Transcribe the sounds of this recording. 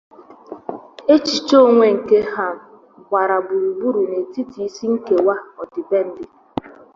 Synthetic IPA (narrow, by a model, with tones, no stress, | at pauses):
e˦t͡ʃi˨t͡ʃo˦˨ŋʷe˨ŋ̩˨ke˦ha˦˨m̩˨ | kʷa˨ɾa˨bʊ˨u˨bu˦ɾu˨ne˨ti˦ti˨i˦si˦ŋ̩˦ke˨wa˦ɔ˨dɪ˨be˦n̩˦dɪ˦